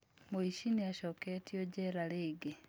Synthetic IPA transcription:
moiʃiniaʃɔketioɟɛɾaleːɡe

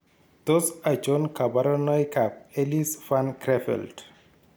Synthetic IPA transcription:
t̪osad͡ʒonkabaɾɔnɔjkap̚elisfankɾefḛlt

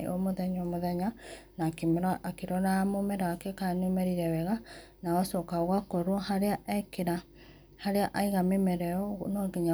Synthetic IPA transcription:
ɔ̰moðɛɲɔmoðɛɲanakemɾaʔakeɾɔɾamomɛɾaakɛkanemɛɾiɾɛwɛɣa | naɔsɔkaɣwakɔɾwɔhaɾeaʔɛkeɾa | haɾeaʔaiɣamemɛɾɛɔnɔɡeɲa

